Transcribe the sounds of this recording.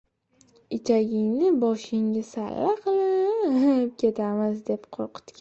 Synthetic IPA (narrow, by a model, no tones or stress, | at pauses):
ɪt͡ʃʰaɡʲɪŋnɪbɒʃɪŋʲɪsa̰lːaqʰɨlˠɪ | p̚kʲe̞t̪ʰamɪzd̪e̞pqʰoɾqʰɨ̥t̪kʲ